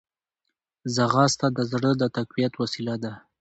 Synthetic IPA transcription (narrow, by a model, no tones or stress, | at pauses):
zaɣɑst̪ad̪əzɽəd̪ət̪akwijat̪wasilad̪a